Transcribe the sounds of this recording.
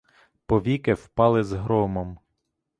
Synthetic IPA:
pɔʋʲikɪwpɑlˠɪzɦɾɔmɔm

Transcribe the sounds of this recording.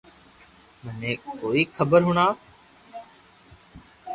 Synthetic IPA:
mənẽːkoːiːxʰəbəɾɦʊɳaː

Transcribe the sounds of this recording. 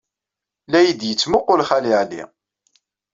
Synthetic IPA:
læjid̪jət͡sːmʊqːʊlχæliʕlḭ

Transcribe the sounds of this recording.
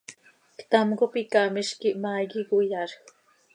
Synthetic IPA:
kt̪amɡopikamiʃkiʔmaɡiɡujaɾ

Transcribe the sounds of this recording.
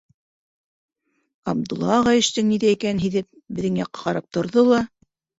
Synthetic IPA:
ɑb̚d̪ŭlˠːɑʁɑjɘ̆ʃt̪ɘŋniðæikænɦiðɘp̚ | bɘ̆ðɘŋjɑqːɑ̥qɑɾɑp̚t̪ŏɾðolˠɑ

